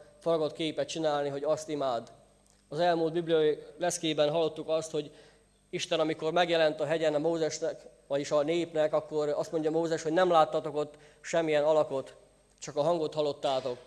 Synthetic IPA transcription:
foɾɒɡot̪keːpɛt̪̚t͡ʃinaːlniɦo̞ɟɒst̪imaːd̪ | ɒzɛlmuːlt̪biblijɒirɛskeːbɛnɦɒlːo̞t̪ːukɒst̪ho̞ɟ | iʃt̪ɛnɒmiko̞rmɛɡjɛlɛnt̪ɒɦɛɟɛnɒmoːzɛʃnɛkʋɒɟiʃɒneːpnɛkɒkːo̞rɒst̪mo̞ɲɟɒmoːzɛʃhoɟnɛmlaːt̪ːɒt̪o̞ko̞t̪ː | ʃɛmːijɛnɒlɒko̞t̪ | t͡ʃɒkɒɦɒŋɡo̞t̪hɒlːo̞t̪ːaːt̪o̞k

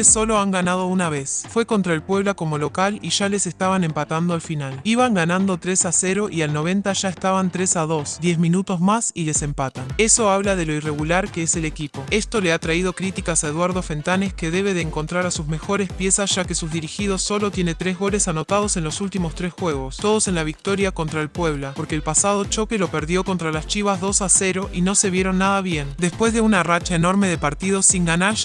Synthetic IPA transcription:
esːo̞lo̞aŋɡanað̞o̞unaβ̞esfwe̞kont̪ɾaelpwe̞βlako̞mo̞lo̞kaliʒale̞sest̪aβane̞mpat̪and̪oalfinaliβ̞aŋɡanãnd̪o̞t̪ɾe̞sase̞ɾo̞ʔialno̞β̞e̞nt̪aʒ̥aest̪aβant̪ɾe̞sað̞o̞sd̪je̞zminut̪o̞zmasile̞se̞mpat̪ane̞so̞aβ̞lað̞e̞lo̞ire̞ɣulaɾkeese̞lekipo̞e̞st̪o̞le̞at̪ɾaið̞o̞kɾit̪ikasaeðwaɾð̞o̞fe̞nt̪ane̞ske̞ðe̞β̞e̞ðeːŋko̞nt̪ɾaɾasuzme̞xo̞ɾe̞spje̞sasʒ̥ake̞suzðiɾixið̞o̞ssːo̞lo̞t̪jene̞t̪ɾe̞zɣo̞le̞sano̞t̪að̞o̞se̞nlo̞sult̪imo̞st̪ɾesxwe̞ɣ̞o̞st̪o̞ð̞o̞se̞nlaβik̚t̪o̞ɾjako̞nt̪ɾaelpwe̞βlapo̞ɾke̞ːlpasað̞o̞t͡ʃo̞kelo̞peɾðjo̞ko̞nt̪ɾalast͡ʃiβazðo̞sase̞ɾo̞ʔino̞se̞βje̞ɾo̞nːaðaβje̞nd̪e̞spwe̞zðe̞unarat͡ʃaeno̞ɾme̞ðe̞paɾt̪ið̞o̞siŋɡanaʃ

